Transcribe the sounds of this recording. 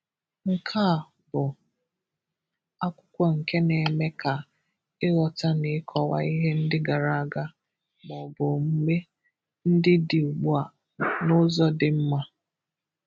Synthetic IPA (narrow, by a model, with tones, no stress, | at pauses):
ŋ̩˨kʰa˦˨ | bʊ˨ | a˦kʷʊ̥˦kʷɔ˨ŋ̩˨ke˦ne˨me˦ka˨ | ɪ˦ɣɔ˨ta˦nɪ˨˦kʰɔ˨wa̰˦i˦ɦe˦n̩˦dɪ˦ɡa˨ɾa˨a˨ɡa˦ | ɡ͡bɔ˨bʊ˨m̩˦me˦ | n̩˦dɪ˦dɪ˨u˨ɡ͡bu˦a˨ | nʊ˦zɔ˦dɪ˨m̩˦ma˦